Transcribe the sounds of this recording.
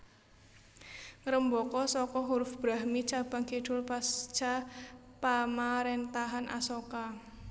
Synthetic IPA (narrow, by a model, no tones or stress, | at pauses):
ŋɾəmbɔkɔsɔkɔɦuɾʊfb̥ɾaɦmit͡ʃab̥a̤ŋkiɖ̥ʊlpast͡ʃapamaɾent̪aɦanʔa̰sɔka